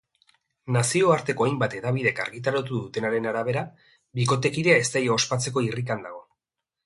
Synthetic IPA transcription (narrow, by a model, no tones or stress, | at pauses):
nasio̞aɾt̪e̞ko̞ajmbat̪e̞ðaβ̞iðe̞ka̰ɾɣit̪̬aɾat̪uðut̪e̞naɾe̞naɾaβ̞e̞ɾa | biko̞t̪e̞kiɾeae̞st̪ajaospat͡se̞ko̞irikand̪aɣ̞o̞